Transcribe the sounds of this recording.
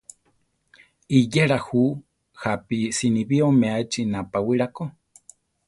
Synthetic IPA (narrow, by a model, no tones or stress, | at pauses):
ijeɺahu | hapisiniβiomeat͡ʃinapawiɺako